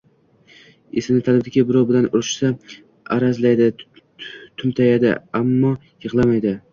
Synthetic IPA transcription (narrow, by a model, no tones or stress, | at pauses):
esɪnɪt̪ʰalɪbd̪ɪkʲabɪɾɒwbɪlanʊɾɪʃsa | aɾazlajd̪ɪ | t̪ʰʊmt̪ʰajad̪ɪ̰amːɒ | jɨʁlˠamajd̪ɪ